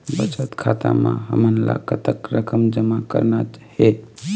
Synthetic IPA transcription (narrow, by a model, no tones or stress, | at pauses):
bət͡ʃət̪kʰat̪amaɦə̰mənla̰kət̪əkɾəkəmd͡ʒəmakəɾnat͡ʃhe